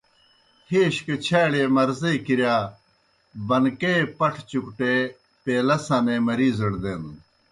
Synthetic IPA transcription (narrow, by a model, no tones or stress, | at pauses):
heːɕket͡ɕʰaːɽeːmɐɾzejkiɾjaː | bɐnkepɐʈʰt͡ɕukʈe | peːlɐsãːneːmɐɾiːzɐɽd̪eːn